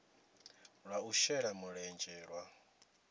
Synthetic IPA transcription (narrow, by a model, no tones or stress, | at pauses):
ɺwauʃɛɺamuɺɛnd͡ʒɛːɺwa